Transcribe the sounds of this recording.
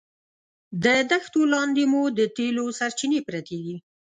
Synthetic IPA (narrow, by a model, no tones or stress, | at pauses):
d̪əd̪axt̪olɑnd̪emud̪ət̪elosaɾt͡ʃinepɾat̪eɡi